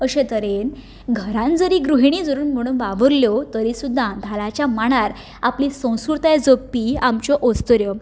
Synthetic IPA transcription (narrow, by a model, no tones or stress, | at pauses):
əɕẽt̪əɾen | ɡʱəɾãnd͡zəɾiːɡɾuɦiɽ̃iːd͡zəɾuːnm̤əɽ̃uːnʋaʋəɾljɔt̪əɾisud̪ʱːad̪ʱalat͡ɕjamaɽ̃aɾ | a̰plisə̃w̃skuɾt̪ajd͡zopːiamt͡ɕɔʔost̪əɾjɔ